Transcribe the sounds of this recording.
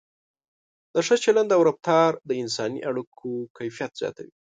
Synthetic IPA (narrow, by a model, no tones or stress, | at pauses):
d̪əʂət͡ʃaland̪awɾab̚t̪ɑɾd̪əɪnsɑnḭʔaɽukʰokajfijat̪z̥jɑ̰t̪awi